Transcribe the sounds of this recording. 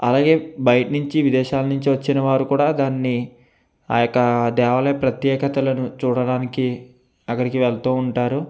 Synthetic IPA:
ɐlaːɡe̞ːbɐjʈɐnuɲt͡ʃiʋid̪ɛːʃaːlɐnuɲt͡ʃiʋɐt͡ʃːinɐʋaːɾukuːɽaːd̪aːnːi | jokːɐd̪ɛːʋɐlɐɐpɾɐt̪jɛːkɐt̪ɐlɐnut͡ʃuːɽɐɽaːniki | ɐkːɐɽikiʋɛɭt̪uːɳʈaːɾu

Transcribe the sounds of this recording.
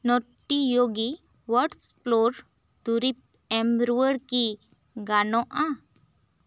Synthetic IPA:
nɔʈːijoɡi | ʋəɾʈsploɾ | d̪uɾip̚ | ẽmbɾuəɾki | ɡanɔʔã

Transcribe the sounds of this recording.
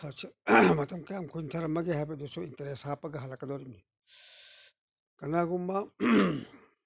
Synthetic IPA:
at͡ʃʰːamat̪ɐmkajamkʰuint̪ʰaɾamaɡehap̬ed̪osointɐɾeshapːaɡaɦalakʼɐd̪oɾimni | ɡ̥ɐnaɡumːa

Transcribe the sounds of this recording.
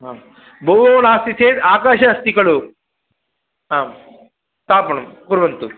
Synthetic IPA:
ɦaːm | bʱoʋoɐnaːst̪iseːd̪aːkaːʃɐɦɐst̪ikɐɭu | ɦaːm | st̪aːpɐɳumkuɾʋɐnt̪u

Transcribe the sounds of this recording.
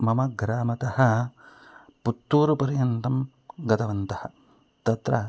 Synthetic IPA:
mɐmɐɡɾaːmɐt̪ɐhɐ̆ | put̪ːuːɾupɐɾjɐnt̪ɐm | ɡɐt̪ɐʋɐnt̪ɐhɐ̆ | t̪ɐt̪ɾɐ

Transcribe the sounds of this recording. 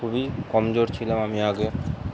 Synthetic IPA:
ubikɔmd͡ʑoɾt͡ɕʰilamamiaɡe

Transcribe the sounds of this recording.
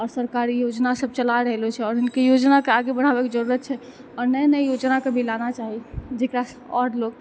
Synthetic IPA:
ɔɾsəɾkaɾijod͡ʒnasəb̚t͡ʃəlaɾəɦelot͡ʃʰɛɔɾɦɪnkejod͡ʒnakeaɡebəɽ̤abɛkd͡ʒəɾuɾət̪̚t͡ʃʰɛ | ɔɾnɛjnəjod͡ʒnakebʱilanat͡ʃaɦid͡ʒekɾas | ɔɖlok

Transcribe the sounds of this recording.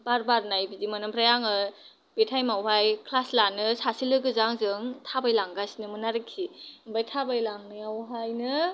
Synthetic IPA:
baɾbaɾnajbizimɯnɯmpʰɾajaŋɯ | b̥etʰajmawɦajkʰlaslanɯsasilɯɡɯzaŋzɯŋtʰabajlaŋɡasinɯmɯnaɾɯkʰːimbajtʰabajlaŋnɯjawɦajnɯ

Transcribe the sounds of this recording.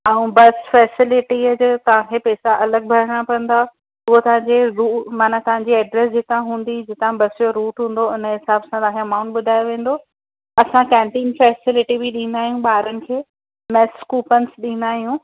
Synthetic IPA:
aːũbɐsfɛːsɪlɪʈid͡ʑt̪ɐʋ̤ãkʰepɛːsaʔɐləɡ̚bʱɐɾ̤əɽ̃apɐ̃n̆d̪a | ʊɦot̪ɐʋ̤ãɲd͡ʑeɾuːmaːnat̪ɐʋ̤ãɲd͡ʑiɛːɖɾɛs̬d͡ʑɪt̪ãɦũːn̆d̪id͡ʑɪt̪ãbɐsijoɾuːʈɦũːn̆d̪oɪnəɦɪsaːbsãt̪ɐʋãːkʰeɐmãːʊ̃ɳʈɓʊd̪ʱaːjoʋẽːn̆d̪o | ɐsãkɛ̃ːmʈɪnfɛːsɪlɪʈibiɗĩːnd̪aːɦijũɓaːɾənɪ̆kʰeː | mɛ̃ːskuːpənɪ̆sɗĩːnd̪aːɦijũː

